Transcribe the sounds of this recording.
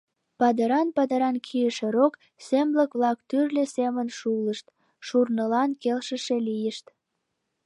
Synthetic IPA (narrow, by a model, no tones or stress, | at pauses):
pɑd̪əɾɑnpɑd̪əɾɑnkʰijəʃeɾok | sembləkβlɑkt̪yrlesemənʃuləʃt̪ | ʃurnəlɑnkelʃəʃelijəʃt̪